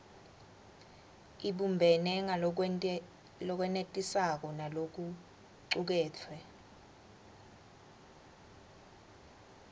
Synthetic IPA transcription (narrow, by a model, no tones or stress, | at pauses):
iɓumbʱɛnɛŋa | lɔk̬wɛnetʼisak̬ɔnalok̬u | ǀuk̬ɛːtʰwɛ